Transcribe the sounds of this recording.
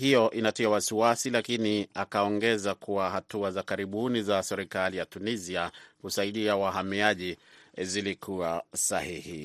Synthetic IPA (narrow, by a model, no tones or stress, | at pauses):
hijɔʔinatiawasiwasilakiniakaɔŋɡɛzakuahatuazakaɾiɓunizasɛɾikalijatuniziakusaiɗiawaɦamiaʄizilikʰuasahihḭ